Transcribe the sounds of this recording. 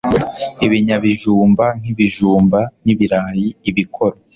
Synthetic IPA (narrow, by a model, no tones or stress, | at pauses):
iβiɲaβiʒuːmban̥iβiʒuːmban̥iβiɾaːjiːβikʰo̞ɾo